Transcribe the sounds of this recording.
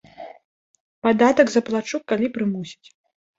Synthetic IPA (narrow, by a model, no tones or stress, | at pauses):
pad̪at̪ɐɡzɐplˠat͡ʂukkːalʲipɾɨmusʲi̥t͡sʲ